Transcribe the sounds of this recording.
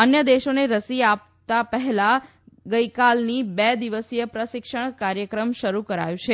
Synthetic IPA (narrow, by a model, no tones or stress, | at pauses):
ənjəd̪eʃoneɾəsiap̚ | t̪apəɦɛla | ɡəjkalnibɛd̪iʋəsjəpɾəʃɪkʃəɳ̃kaɾjəkɾəmʃəɾukəɾa̰jũt͡ʃʰe